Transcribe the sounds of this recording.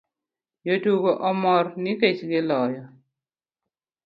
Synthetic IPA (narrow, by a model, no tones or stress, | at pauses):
jotuɡoʔɔmɔrnɪket͡ʃɡɪlɔjɔ